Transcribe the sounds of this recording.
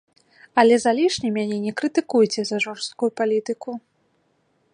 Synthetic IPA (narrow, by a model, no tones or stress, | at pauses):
ɐlʲɛzalʲiʂnʲimʲanʲɛnʲɛkɾɨt̪ɨkujt͡sʲɛzɐʐɔrst̪̚kujupalʲit̪ɨku